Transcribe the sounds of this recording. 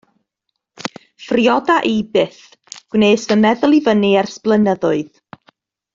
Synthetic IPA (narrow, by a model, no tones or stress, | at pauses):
frjɔdaʔibɨθ | ɡ̥wneːsvənmɛðʊlˠivəniɛrsplˠənəðʊɨð